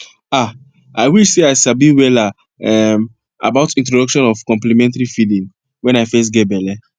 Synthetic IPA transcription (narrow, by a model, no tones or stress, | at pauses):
a | aɪwiʃseaɪsabiwɛla | ɛm | a̰baʊtĩntɹodɔkʃɔ̃nɔfkɔ̃mplimɛ̃ntaɾifilĩŋ | wɛ̃naɪfɛs̬tɡɛtbɛlɛ